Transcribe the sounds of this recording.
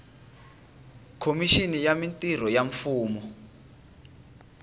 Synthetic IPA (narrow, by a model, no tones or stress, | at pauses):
kʰomiʃinijamintʼir̤ɔjaɱfuːmɔ